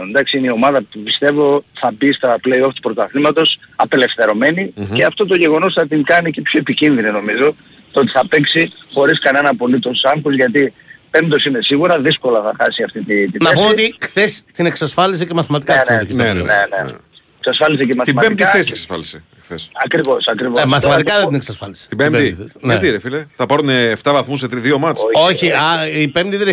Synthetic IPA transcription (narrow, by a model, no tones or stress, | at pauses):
nd̪ɐksiineio̞mɐðɐpupist̪e̞vo̞θɐbist̪ɐpleio̞ft̪pɾo̞t̪ɐθnimɐt̪o̞sɐpe̞le̞fθe̞ɾo̞me̞niceɐft̪o̞t̪o̞ʝe̞ɣo̞no̞sθɐt̪iŋkɐnicepço̞e̞picinðinino̞mizo̞ | t̪ot̪i̥θɐpe̞ksixo̞ɾiskɐne̞nɐpo̞lit̪o̞sɐŋxuzʝɐt̪ipe̞mt̪o̞sine̞siɣuɾɐðisko̞lɐθɐxɐ̰siɐft̪it̪it̪inɐepsoot̪ixθe̞st̪ineksɐsfɐlisicemɐθimɐt̪ikɐseoçinɐḛnenḛ | eksɐsfɐlisicemɐθt̪imɐbemd̪ixθeseksɐsfɐ̰lise | xθesɐkɾivosɐkɾivomɐθimɐt̪ikɐðed̪ineksɐsfɐlisi̥t̪ibemd̪inɐiɾefileθɐpɐɾuneːft̪ɐvɐθmuset̪ɾiðiomɐooçiɐipemd̪iðeɾ